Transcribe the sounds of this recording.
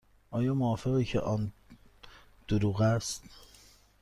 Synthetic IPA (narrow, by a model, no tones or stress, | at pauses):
ʔɒːjɒːmoɒːfeɣiːcʰḛʔɒːn | d̪̥oɾuːɣæst̪